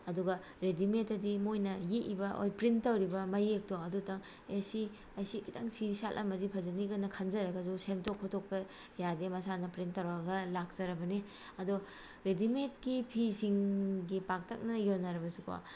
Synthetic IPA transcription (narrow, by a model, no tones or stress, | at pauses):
ɐduɡɐ | ɾedimetɐdimojnɐjiʔibɐʔo̰jpɾinttɐwɾibɐmɐjek̚toɐdutaŋ | esi | ɐjsikita̰ŋsiisa̰lʔɐ̰mɐdipʰɐzɐniɡɐnːɐkʰɐnzɐɾɐɡɐzusemtokʰːɔtʰok̚pɐ | jademɐsanɐpɾintːɐwɾaɡɐlak̚z̥ɐɾɐbɐne | ɐdo | ɾedimet̚kipʰisiŋɡipak̚tʰɐk̚nɐjonaɾɐbɐsukʰo̰